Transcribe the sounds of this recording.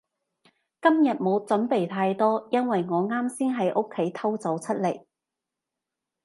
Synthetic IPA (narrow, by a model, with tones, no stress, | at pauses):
kɐ˥mjɐ˨t̚mo˨˧wt͡sɐ˨˥mpe˨˩jt̪ʰaː˧jt̪ɔː˥jɐ˥nwɐ˨jŋɔː˨˧ŋaː˥msiː˥nɦɐ˨˥jʔo˥kʰːe˨˥jt̪ʰɐ˥wt͡sɐ˨˥wt͡sʰɐ˥t̚le˨˩j